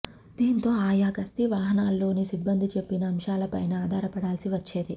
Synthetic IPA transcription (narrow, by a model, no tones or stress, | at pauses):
d̪̥iːnt̪o̞ːaːjaːkɐst̪iʋaːɦɐnaːlːo̞ːnisibːɐnd̪ʱit͡ʃe̞pːinɐːmʃaːlɐpɐjnɐaːd̪ʱaːɾɐpɐɽaːlsiʋɐt͡ʃːe̞ːd̪i